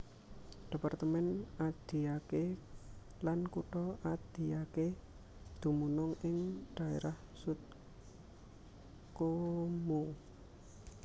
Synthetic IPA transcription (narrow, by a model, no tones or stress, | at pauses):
d̥e̤part̪əmɛnad̪̥i̤ake | lankuʈɔʔad̪̥i̤jake | d̪̥ṳmunɔŋɪŋɖ̪̥a̤eɾah | sut̪̚ | komo